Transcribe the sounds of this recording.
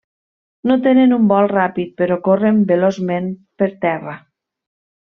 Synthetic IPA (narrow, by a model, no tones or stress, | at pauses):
not̪enenumbɔlˠrapit̪̚peɾɔkorembelozmempeɾt̪ɛra